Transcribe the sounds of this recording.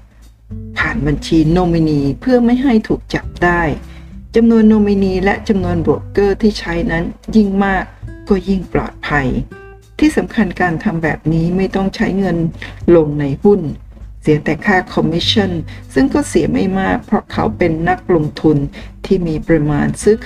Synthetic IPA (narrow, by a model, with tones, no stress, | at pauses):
pʰaː˨˩nba˧nt͡ɕʰiː˧noː˧miː˧niː˧pʰɯ˥˩ɐma˥˩jɦa˥˩jt̪ʰuː˨˩k̚t͡ɕa˨˩p̚daː˥˩jt͡ɕa˧mnu˧ənːoː˧mi˧niː˧lɛ˦˥ʔt͡ɕa˧mnu˧ənboː˨˩kɤː˥˩t̪ʰiː˥˩t͡ɕʰa˦˥jna˦˥nji˥˩ŋmaː˥˩kːɔː˥˩ji˥˩ŋplɔ̰ː˨˩t̪̚pʰa˧j | t̪ʰiː˥˩sa˩˦mkʰa˧nkaː˧nt̪ʰa˧mbɛ̰ː˨˩p̚niː˦˥ma˥˩jt̪ɔ˥˩ŋt͡ɕʰa˦˥jŋɤ˧nlo˧ŋna˧jhu˥˩n | si˨˩˦ət̪ɛː˨˩kʰaː˥˩kʰɔ˧mːi˦˥t͡ɕʰːa˥˩nsɯ˥˩ŋkɔː˥˩si˩˦əma˥˩jmaː˥˩k̚pʰɾɔ˦˥kʰa˦˥wpe˧nːa˦˥k̚lo˧ŋt̪ʰu˧nt̪ʰiː˥˩miː˧pɾa˧maː˧nsɯː˦˥kʰ